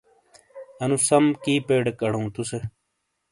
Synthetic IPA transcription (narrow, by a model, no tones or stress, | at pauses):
ɐnusɐmkiːpeːɖekɐɽũːt̪use